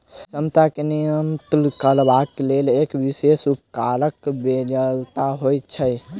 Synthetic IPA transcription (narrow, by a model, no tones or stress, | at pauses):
səmt̪akenijəmt̪lkəlbaelelekʋisesupkaləkbed͡ʒəlt̪aɦojt͡ʃʰə